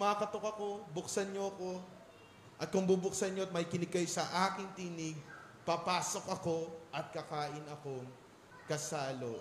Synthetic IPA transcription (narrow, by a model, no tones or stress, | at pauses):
maːkɐt̪o̞kɐko̞bʊksɐnɲoɐko̞ | ʔɐt̪̚kʊŋbubʊksɐnɲoɐt̪̚mɐjkɪnɪɡ̚kɐjsɐʔaːkɪŋt̪inɪɡ̚ | pɐpaːso̞kʔɐko̞ʔɐt̪̚kɐkaːʔɪnɐko̞ŋ | kɐsaːlo̰